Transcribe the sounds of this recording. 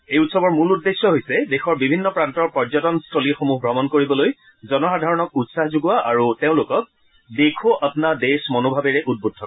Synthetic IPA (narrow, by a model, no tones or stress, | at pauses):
ejutsɔbɔɹmuludːesːɔɦojsɛdexɔɹbibʱinːɔpɹantɔɹpɹɔzɔtɔnstʰolixomuɦbɹɔmɔnkoɹibɔloj | zɔnɔxadʱaɹɔnɔk̚utsaɦzuɡuwaʔaɹuteʊ̃lʊkɔk̚ | dekʰuʔapnadesmɔnobʱabɛɹɛʔud̚bud̚tʰːɔk